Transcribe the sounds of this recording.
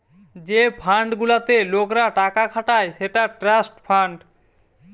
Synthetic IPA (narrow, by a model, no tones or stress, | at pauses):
d͡ʑepʰaɳɖɡulat̪elokɾaʈakakʰaʈaeʃeʈaʈɾasʈpʰaɳɖ